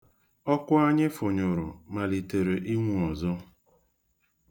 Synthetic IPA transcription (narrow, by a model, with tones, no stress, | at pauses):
ɔ˦kʷʊ˦a˦ɲɪ˦fʊ˨ɲʊ˨ɾʊ̰˨ma˨li˨te˨ɾe˨ʔi˦mu˨ɔ˨zɔ˦